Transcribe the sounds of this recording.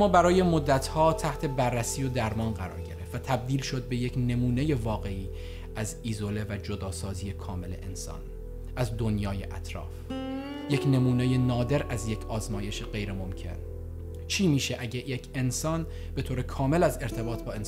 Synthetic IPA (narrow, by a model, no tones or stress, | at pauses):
mɒːbæɾɒːje̞mo̞d̪ːæt̪ʰhɒːt̪ʰæht̪ʰe̞bærːæsiːjod̪æɾmɒːnɢæɾɒ̰ːɾɟe̞ɾeft̪væt̪ʰæb̚d̪iːlʃo̞d̪̚be̞jecʰne̞muːne̞je̞vɒːɣe̞iː | æzizo̞le̞væd͡ʒo̞d̪ɒːsɒːziːje̞kʰɒːme̞le̞̰ʔḛnsɒ̰ːn | ʔæzd̪o̞njɒːjḛʔæt̪ʰɾɒ̰ːf | je̞cʰne̞muːnejenɒːd̪e̞ɾæzje̞cʰɒːzmɒːje̞ʃeɢe̞jɾemo̞mcʰe̞̰n | t͡ʃʰiːmiːʃeʔæɟejecʰe̞nsɒːn | b̥e̞t̪ʰoːɾe̞kʰɒːme̞læze̞ɾt̪ʰe̞bɒːt̪ʰbɒːens